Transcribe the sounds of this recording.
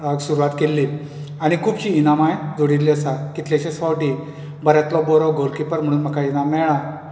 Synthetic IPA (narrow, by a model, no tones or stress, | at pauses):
aɡsuɾuʋat̪kelːi | aɽ̃ikʰuːbɕiːnamajd͡zoɽiɾlːiəsakit̪ʰljaɕɛsʋɔwʈi | bəɾjat̪lɔbɔɾɔɡʱolkipəɾm̤əɽ̃uːnm̤əkainamɛɭã